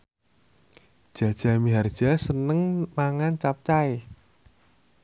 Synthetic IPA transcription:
d̥ʒ̥ä̤d̥ʒ̥a̤miɦard̥ʒ̥asənəŋmaŋant͡ʃap̚t͡ʃae

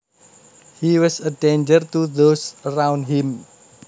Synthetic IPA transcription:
hiwɔsədẽnd͡ʒərt̪uðosəɾawndɦɪ̃m

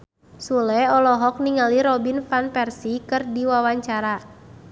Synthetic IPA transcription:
sulɛɔlɔɦɔk̚niŋaliɾɔbinfanpɛrsikɨrdiwawaɲt͡ʃaɾa

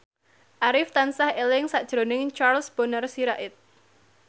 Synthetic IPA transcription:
ʔaɾɪft̪ansahelɪŋsad̥ʒ̥ɾonɪŋt͡ʃarlsb̥onərsiɾaʔɪt̪̚

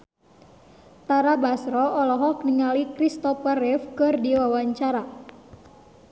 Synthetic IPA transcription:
t̪aɾabasɾɔɔlɔɦɔkniŋalikɾist̪ɔpərɪfkɨrdiwawaɲt͡ʃaɾa

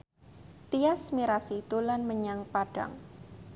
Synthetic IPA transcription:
t̪iasmiɾasit̪ulanməɲaŋpaɖ̥a̰ŋ

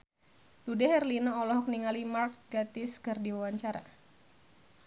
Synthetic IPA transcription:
dudɛhɛrlinɔːlɔɦɔk̚niŋalimark̚ɡat̪ɪskɨrdiwawaɲt͡ʃaɾa̰

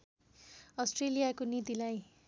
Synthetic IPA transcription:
ʌsʈrelijakonit̪ilaj

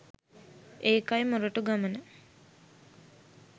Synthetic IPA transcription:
ʔeːkajmuɾəʈuɡamənə

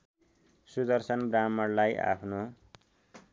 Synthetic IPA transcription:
sud̪ʌrsʌnbramʌrlaja̰pʰno

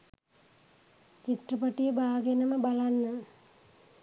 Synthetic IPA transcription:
t͡ʃit̪rəpəʈijəbaːɡenəməbalanːə

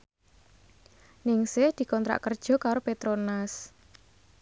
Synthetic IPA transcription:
nɪŋsɪhd̪̥i̤kɔnt̪ɾa̰ʔkərd̥ʒ̥ɔ̤kaɾopet̪ɾonas

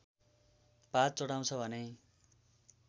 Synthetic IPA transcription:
pat͡sʌɽaw̃t͡sʰʌbʱʌne

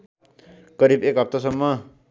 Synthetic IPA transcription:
kʌɾibekɦʌp̚t̪ʌsʌmːʌ

